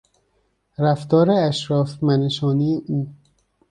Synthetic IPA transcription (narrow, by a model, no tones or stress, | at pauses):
ɾæft̪ɒːɾeæʃɾɒːfmæneʃɒːnijeʔuː